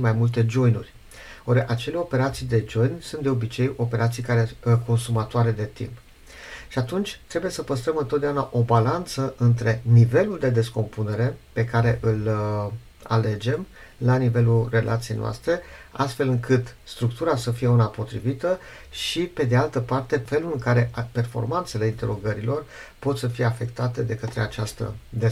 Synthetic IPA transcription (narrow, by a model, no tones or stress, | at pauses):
ʃimajmult̪e̞d͡ʒo̞jnṵrʲ | oɾeʔat͡ʃe̞le̞o̞pe̞ɾat̪sijd̪e̞d͡ʒo̞jnʲsunt̪d̪eo̞bit͡ʃejo̞pe̞ɾʔat̪sijkaɾeko̞nsumat̪oaɾe̞d̪e̞t̪ḭmp | ʃiat̪unt͡ʃʲt̪ɾe̞buje̞səpəst̪ɾəmɨnt̪ot̪̚d̪eaunaʔo̞balant̪səʔɨnt̪ɾe̞nive̞luld̪e̞d̪e̞sko̞mpune̞ɾe̞pe̞kaɾe̞ʔɨl | a̰le̞d͡ʒe̞m | lanive̞lure̞lʔa̰t̪sije̞jnoa̰st̪ɾe̞ | ast̪fe̞lɨŋkɨt̪st̪ɾuk̚t̪uɾasəfije̞unapo̞t̪ɾḭvit̪ə | ʃipe̞d̪e̞alt̪əpart̪e̞fe̞lulɨŋkaɾe̞pe̞rfo̞̰rmant̪se̞le̞int̪e̞ɾo̞ɡəɾilo̞r | po̞t̪səfije̞afe̞kt̪at̪e̞d̪e̞kət̪ɾe̞̰at͡ʃast̪ə̰d̪e